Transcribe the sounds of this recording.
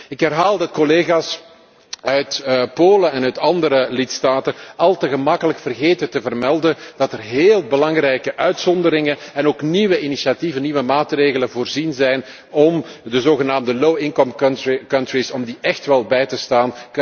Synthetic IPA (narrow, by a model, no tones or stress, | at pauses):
ɪkɦɛrɦaːlˠdɑt̚kɔleːɣaːs | œɥtpoːlənɛnœɥtɑndəɾəlɪtstaːtənɑlˠtəɣəmɑkələkfərɣeːtətəvərmɛlˠdənd̥ɑtərɦeːlˠbəlɑŋrɛjkəʔœɥtsɔndəɾɪŋənɛnoːkniʋəinisiativəniʋəmaːtreːɣələnvoːrzinzɛjn | ɔmdəzoːɣənaːmdəlowɪŋkɔmkkɑntrisɔmdiʔɛxtʋɛlˠbɛjtəstaːnk